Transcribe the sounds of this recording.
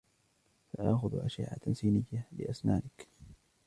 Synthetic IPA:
faʔaʔxʊðʔaʃa̰ʕa̰nsiːnɪjːalɪ̰ʔasnaːnɪk

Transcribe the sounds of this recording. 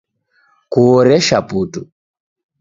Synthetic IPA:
kuɔɾɛʃapuːtu

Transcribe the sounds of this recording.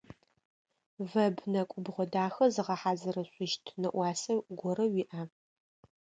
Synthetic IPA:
vɐbnɐkʷʼʊbʁʷɔdaːxɐzɨʁɐħaːzɐrɐɕʷʼɪʃtʰnɐʔʷɑːsɐɡʷɔɾɐwiʔaː

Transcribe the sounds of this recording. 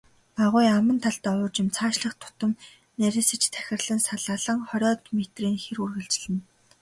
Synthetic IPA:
paʁʊjamə̆nt̪ʰaɮt̪ɔʊːt͡ɕɪ̆mt͡sʰaːʃɮə̆χt̪ʰʊ̥t̪ə̆m | næɾʲɪ̆ːsɘ̆t͡ɕt̪ʰæ̥xʲɪ̆rɮə̆nsaɮaɮə̆ŋχɔɾʲɔːt̪met̪riːŋxerurɣɘ̆ɮt͡ɕɮɘ̆n

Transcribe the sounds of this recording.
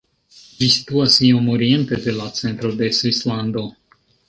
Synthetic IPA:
d͡ʒisi̥t̪uasiomoɾie̞nt̪ed̪e̞lat͡se̞nt̪ɾo̞d̪e̞svisland̪o̞

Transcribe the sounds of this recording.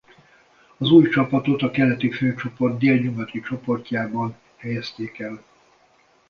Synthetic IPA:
ɒzuːjt͡ʃɒpɒt̪o̞t̪ɒkɛlɛt̪iføːt͡ʃo̞po̞rd̪̚d̪eːlɲoɡɒt̪it͡ʃo̞po̞rc̪aːbɒn | hɛjɛst̪eːkɛl

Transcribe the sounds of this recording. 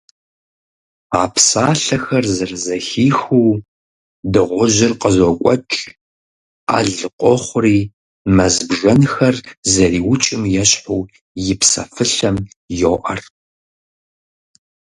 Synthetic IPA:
aːpʰsaːɬɐxɐrzɐrɨzɐxiːxuː | dɨʁʷʊʑɪrqəzɔkʷʼɔt͡ʃʼ | a̰ːɮɨqʷʼɔχʷʊriː | mɐzbʒɐnxɐrzɐriːwʊt͡ʃʼɪmjɛɕħuː | jɪpsɐ̰fɨɬɐm | joːʔɐ̰r

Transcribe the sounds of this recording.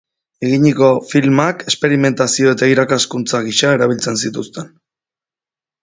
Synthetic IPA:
e̞ɣiɲiko̞filmake̞spe̞ɾime̞nt̪asio̞et̪aiɾakaskunt͡saɣ̞iʃae̞ɾaβ̞ilt͡se̞nsit̪ust̪e̞n

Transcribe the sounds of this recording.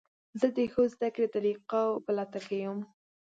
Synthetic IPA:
zəd̪əxozd̪akɾet̪aɾiqawpalɑt̪akajəm

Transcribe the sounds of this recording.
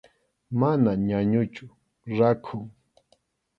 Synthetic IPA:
manaɲaɲʊt͡ʃʊ | ɾakʰʊŋ

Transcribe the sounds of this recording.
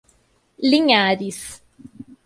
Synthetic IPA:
liŋaːdis

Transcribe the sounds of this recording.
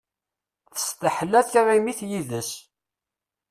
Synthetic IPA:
θə̥st̪əħəlːæθçaʁimiθjiðəs

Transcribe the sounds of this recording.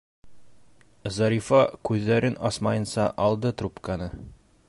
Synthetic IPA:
zɑɾʲifɑkʉðːæɾɘnɒsmɑjɤ̆nsɑʔɒlˠd̪ɤt̪ɾupkɑnɤ

